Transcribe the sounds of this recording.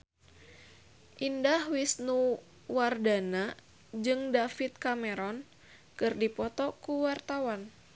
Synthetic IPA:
ʔindahwisnu | wardana | d͡ʒɨŋdafit̪̚kamɛɾɔn | kɨrdipɔt̪ɔkuwart̪awan

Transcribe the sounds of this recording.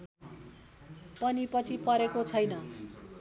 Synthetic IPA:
pʌnipʌt͡sʰipʌɾekot͡sʰʌjnʌ

